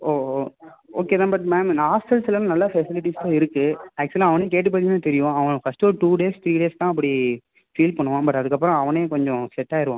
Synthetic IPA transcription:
oː | oːkeːðãːbɐʈmɛːmaːsʈɐlsɪlɐnãnɐlːafɛsɪlɪʈist̪ãːɪɾɯkːɯæːk̚t͡ʃʊlãɐʋɐneːkeːʈːɯp̬ɐt̪ɪŋnɯt̪ɛɾɪjʊ̃ɐʋɐ̃fɐsʈoːʈuːɖeːst̪ʰɾiːɖeːst̪ãːɐp̬ːɐɽi | fiːlpɐɳːɯʋãːbɐʈːɐðɯkːɐp̬ːɾɔ̃ɐʋɐneːkɔɲd͡ʒɔ̃sɛʈːaːɪɾɯʋã̰ː

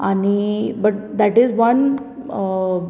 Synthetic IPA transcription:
anibəʈ̚d̪æʈizʋən

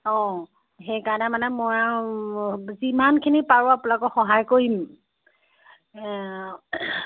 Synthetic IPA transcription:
ɔ̃ | xejkaɹɔnɛmanɛmɔja | zimankʰinipaɹʊapulakɔxɔɦajkoɹim

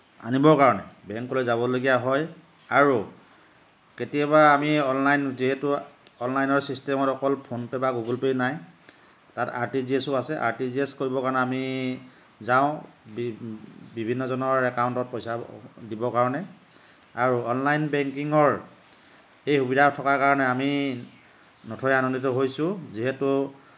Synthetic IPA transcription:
a̰nibɔɹkaɹɔnɛ̰bɛŋkːɔlojzabɔloɡijaɦɔj | aɹu | ketijabaːmiɔnlajnziɦɛtʊɔnlajnɔɹsistɛmɔtɔkɔlpʰonpɛbaɡuɡulpejnaj | tata̰ɹtiziesʊasɛʔa̰ɹtiziɛskoɹibɔkaɹɔnɛami | zaʊ̃b | bibʱinːɔzɔnɔɹɛkawntɔt̚pojsadibɔkaɹɔnɛ | aɹuɔnlajnbɛŋkiŋɔɹ | ejxubidʱatʰɔkakaɹɔnɛami | nɔtʰɔjanonditɔɦojsʊ̃ziɦetu

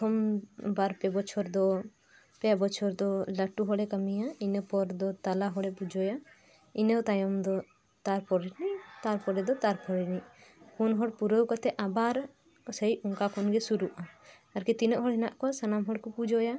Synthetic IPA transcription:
t̪ʰɔmbaɾpɛbɔt͡ʃʰɔɾd̪ɔ | pɛbɔt͡ʃʰɔɾd̪ɔləʈuɦɔɽɛkəmijainəpɔɾd̪ɔt̪alaɦɔɽɛpud͡ʒɔja | inət̪ajɔmd̪ɔ | t̪aɾpɔɾiniʔt̪aɾpɔɾɛd̪ɔt̪aɾpɔɾiniʔkʰunɦɔɽpuɾəwkɔt̪ɛʔabaɾ | səiɔŋkakʰɔnɡɛsuɾuʔa | əɾkit̪inəʔɦɔɽɦɛnaʔkɔsanamɦɔɽkupud͡ʒɔja

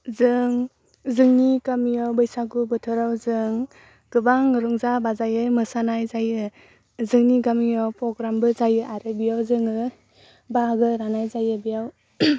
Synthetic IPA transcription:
zɯŋ | zɯŋnikamiawbɯjsaɡubɯtʰɯɾawzɯŋ | ɡ̥ɯbaŋːɯɾuŋzabazajɯmɯsanajzajɯ | zɯŋniɡamiawpɾɔɡɾambɯzajɯʔaɾɯbijawzɯŋɯ | baɡɯɾanajzajɯbijaw

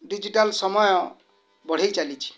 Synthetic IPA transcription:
ɖid͡ʒiʈalsɔmɔjɔ | bɔɽ̤ejt͡ʃalit͡ʃʰi̥

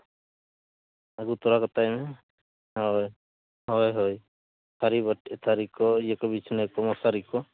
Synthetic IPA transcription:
aɡut̪ɔɾakɔt̪ajmɛ | ɔj | ɦɔjɦɔj | sʰaɾibɔʈɛt̪ʰaɾikɔijɛkɔbit͡ʃʰnɛkɔmɔsaɾikɔ

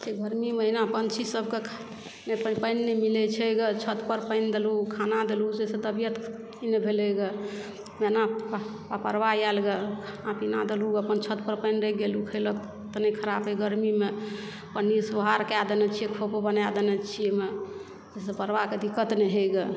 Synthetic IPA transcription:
d͡ʒeɡəɾmimeinapənt͡ʃʰisəb̚ʱkekʰ | nppəɪnːɛmilɛt͡ʃʰɛɡət͡ʃʰət̪pəɾpə̃ɪnd̪elukʰanad̪elud͡ʒesẽd̪əbjət̪ | nebʱeleɡə | mena | apəɾʋajalɡekʰanapinad̪eluəpənt͡ʃʰət̪̚pəɾpə̃ɪnɾəɡelukʰələk | t̪ənɛkʰəɾapeɡəɾmime | pənːisəɦaɾkad̪ənɛt͡ʃʰiekʰopbənad̪ənɛt͡ʃʰieme | d͡ʒesepəɾʋaked̪ʱikət̪nɛɦeɡe

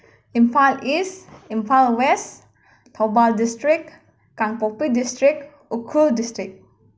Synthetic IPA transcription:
ĩnfalisĩmfalwɛs | tʰɔbaldistɹik | kãŋpopidistɹik | ukʰuldistɹik̚

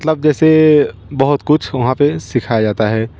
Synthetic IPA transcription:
t̪ləb̚d͡ʒɛːsebɐɦʊt̪kʊt͡ʃʰʋɐɦãpesɪkʰajad͡ʒaːt̪aɦɛː

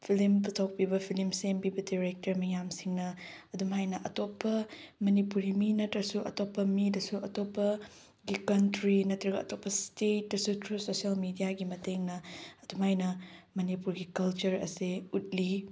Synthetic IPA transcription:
pʰilimptʰawk̚pibɐpʰilimsempibɐdiɾek̚tɐɾmɐjamsiŋnɐɐdumɦajnɐʔɐtopːɐmɐnipuɾiminɐtɾɐsuʔɐ̰topːɐmidɐsuʔɐtopːɐ | ɡikɐntɾinɐtɾɐɡɐɐtopːɐstet̚dɐsutʰɾusosɐlmidijaɡimɐteŋnɐːdumɦajnɐmɐnipuɾɡikɐlt͡ʃɐɾɐ̰seut̚li

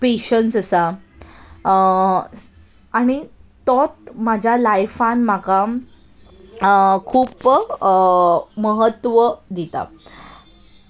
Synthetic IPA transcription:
peɕənsəsa | aɽ̃it̪ɔt̪̚mad͡ʑʱjalajfanm̤aka | kʰuːp | məɦət̪ːʋəd̪it̪a̰

